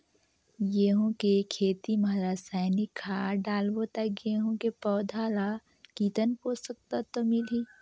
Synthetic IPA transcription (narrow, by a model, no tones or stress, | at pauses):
jeɦõkekʰeːt̪imɐɦɾaːsaːjnikʰaɖaːlbot̪akɡeːɦõkepɔːd̪ʱaːla | kiːt̪ənposək̚t̪at̪omɪliː